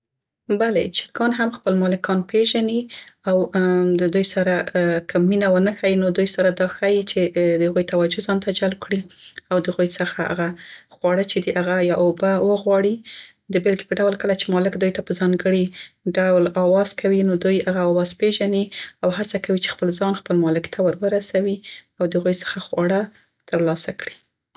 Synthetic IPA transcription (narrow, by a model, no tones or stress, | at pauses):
balet͡ʃɪ̥lɡɑnɦamxpəlmɑlɪkʰɑnpeʒaniawd̪əd̪ujsaɾakʰəminawənəxajinod̪ujsaɾad̪ɑxajit͡ʃed̪əhaɣujt̪awad͡ʒozɑnt̪ad͡ʒalb̚kɽiawd̪əhaɣujsəxaa̰ɣaxwɑɽət͡ʃed̪iʔaɣajɑʔobawəɣwɑɽi | d̪əbɪlɡi̥pəɖawlkəlat͡ʃemɑlɪkd̪ujt̪apəzɑŋɡəɽiɖawlɑwɑz̥kʰawinod̪ujhaɣaɑwɑzpeʒaniawhat͡sakawit͡ʃe̥xpəlzɑnxpəlmɑlɪkt̪ʰawəɾwəɾasawiawd̪əhaɣujsə̥xaxwɑɽə | t̪əɾlɑsakɽi